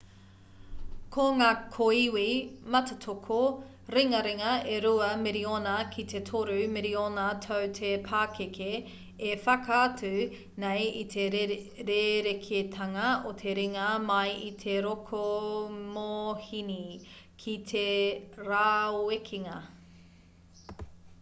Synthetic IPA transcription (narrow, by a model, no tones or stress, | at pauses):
kʰoŋaːkʰoiwimɐtetʰokʰo | ɾiŋɐɾeŋɐeɾuɐmeɾionɐkʰit̪ʰetʰoɾʉmeɾionatʰowtʰepʰaːkekʰeː | fɐkɐːtʉ | nejit̪ʰe | ɾeɾekʰetʰɐŋɐot̪ʰe̞ɾiŋɐmɐjit̪ʰeɾokʰomohinikʰitʰeɾaːoekʰiŋɐ